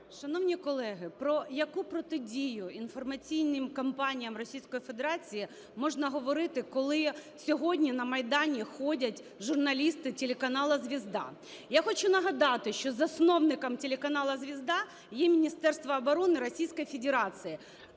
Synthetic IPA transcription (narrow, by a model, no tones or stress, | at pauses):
ʃɐnɔwnʲikɔlˠɛɦɪpɾɔjɐkupɾɔt̪ɪdʲijʊinfɔrmɐt͡sʲijnɪmkɐmpɑnʲijɐmrɔsʲijsʲkɔjifed̪eɾɑt͡sʲiji | mɔʒnɐɦɔʋɔɾɪt̪ɪkɔlˠɪ | sʲɔɦɔdʲnʲinɐmɐjd̪ɑnʲixɔdʲɐtʲ | ʒʊrnɐlʲist̪ɪtʲelʲekɐnɑlˠɐzʲʋʲizd̪ɑ̰ | jaxɔt͡ʃʊnɐɦɐd̪ɑt̪ɪʃt͡ʃɔzɐsnɔwnɪkɐmtʲelʲekɐnɑlˠɐzʲʋʲizd̪ɑ | jɛmʲinʲist̪ɛrst̪ʋɐːbɔɾɔnɪɾɔsʲijsʲkɔjifʲed̪eɾɑt͡sʲiji